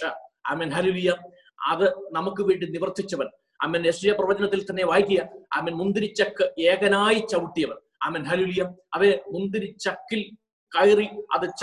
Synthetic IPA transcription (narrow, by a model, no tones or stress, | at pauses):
aɐ̰ːmenɦɐlilijɐ | ɐ̰ðɨnɐmukːɨʋiːɳɖiniʋɐrt̪ːit͡ɕːɐʋɐn | ɐ̰mːeneʂijɐprɐʋɐd͡ʑɐnɐt̪ːilt̪ɐnːe̞ʋaːjikʲːijɐɐ̰mːenmund̪iɾit͡ɕːɐkːɨeːɡɐnaːjit͡ɕɐʋuʈːijɐʋɐn | a̰ːmenɦɐlilijɐɐʋemund̪iɾit͡ɕɐkːil | kɐjriɐ̰ðɨt͡ɕ